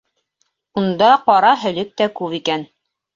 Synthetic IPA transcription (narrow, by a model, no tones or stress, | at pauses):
und̪ɑqɑɾɑɦɵ̆lɘk̚t̪ækʉβikæn